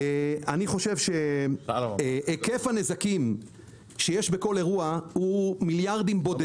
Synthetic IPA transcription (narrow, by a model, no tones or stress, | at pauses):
aniχo̞ʃe̞vʃe̞ | ʔeke̞fane̞zakim | ʃejeʃbe̞ko̞le̞ʁuahumiljaʁd̪imbode